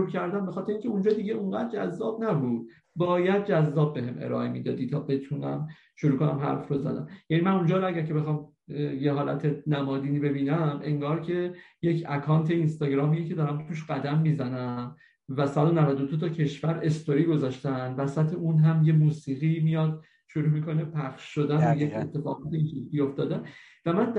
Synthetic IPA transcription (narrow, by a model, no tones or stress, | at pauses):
uɾcʰæɾd̪æmbexɒːt̪ʰeɾeiŋcʲʰeund͡ʒɒːd̪iɟeuŋɢæːd̪̚d͡ʒæ̰zːɒːb̚næbuːd̪̥̚ | bɒːjæd̪̚d͡ʒæzːɒːb̚ːe̞ɦemʔḛɾɒ̰ːʔemiːd̪ɒːd̪iːt̪ʰɒːbe̞t̪ʰunæ̰m | ʃoɾuːkʰo̞næ̰mɦæ̰ɾfɾozæ̰d̪æ̰mjænimænund͡ʒɒːɾoæɟæɾcʰe̞be̞xɒːm | jeɦɒːlæ̰t̪ʰe̞næmɒːd̪iːniːbe̞biːnæme̞ŋɡɒːɾcʰe̞je̞cʰækʰɒːnt̪ʰe̞inst̪ɒːɟɾɒːmiːjecʰe̞d̪ɒːɾæmt̪ʰuːʃɢæd̪æmːiːzænæm | væsæd̪o̞nævæd̪od̪ot̪ʰɒcʰe̞ʃvæɾe̞st̪oɾiɡo̞zɒːʃt̪ænvæsæt̪ʰe̞unɦæmje̞muːsiːɣimijɒd̪̥ | ʃoɾuːmikʰo̞nepʰæχʃːo̞d̪ænbejecʰe̞̰t̪ʰːe̞fɒ̰ːɣɒːt̪ʰeinsibio̞ft̪ɒːd̪æm | væmæn